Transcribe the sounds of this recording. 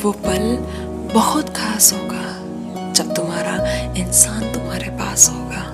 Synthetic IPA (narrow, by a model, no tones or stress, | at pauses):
ʋopɐl | bɐɦʊt̪kʰaːsɦoːɡaː | d͡ʒɐb̚t̪ʊmɦaːɾaɪnsaːnt̪ʊmɦaːɾepa̰ːsɦoːɡaː